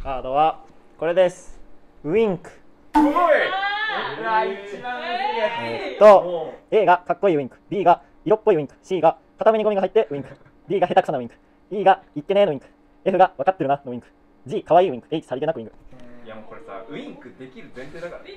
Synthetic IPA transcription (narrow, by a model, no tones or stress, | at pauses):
kaːd̪oβako̞ɾe̞d̪esɨ̥ | ɯ̟ĩŋkɯ̥ | ett̪ːoe̞ːɡakakːo̞iːɯ̟ĩŋkɯ̟̥bʲiːɡa | iɾo̞pːoiɯ̟ĩŋkɯ̟̥ɕiːɡa | kat̪ameɲ̟iɡo̞mʲiɡaɦait̪ːe̞ʔɯ̟ĩŋkɯ̟̥ | bʲiːɡaɦe̞t̪akɯ̟̥sanaɯ̟ĩŋkɯ̟̥ | iːɡaikːe̞neeno̟ĩŋkɯ̟̥ | e̞ɸɯ̟ɡaβakat̪ːe̞ɾɯ̟nano̟ĩŋkɯ̟̥ | d͡ʑiːkaβaiːɯ̟ĩŋkɯ̟eit͡ɕi̥saɾʲit̪enakɯĩŋkɯ̟ | iŋkɯd̪eiɾ